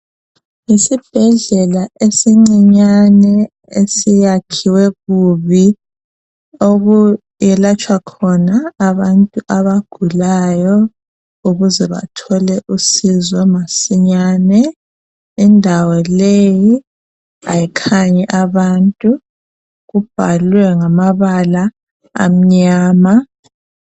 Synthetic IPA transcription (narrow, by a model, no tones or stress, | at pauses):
isib̥ʱɛɮɛlaʔesiŋ͡ǀiɲanɛ | esijakʰiwɛɣuβi | oɣu | jɛlat͡ʃʼwakʰɔnaːβantʼuʔaβaɡ̥ʱulajɔ | uɣuzɛβa̰tʰɔlɛʔusizɔmasiɲaːnɛ | indʱawɔleji | a̰jikʰaɲɛʔaβantʼu | ɣub̥ʱalwɛŋamaβala | a̰m̩ɲaːma